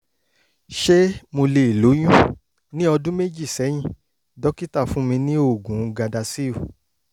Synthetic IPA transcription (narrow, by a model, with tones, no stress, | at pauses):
ʃe˦mo˧le˧i˨lo˨˦j̃ũ˦ | nĩ˦ɔ˧dũ˦me˦d͡ʒi˦˨sɛ˨˦j̃ĩ˦˨ | dɔ˨˦ki˦ta˦˨fũ˦mĩ˧nĩ˦o˦˨ɡũ˨˧ɡa˧da˧si˦o˦˨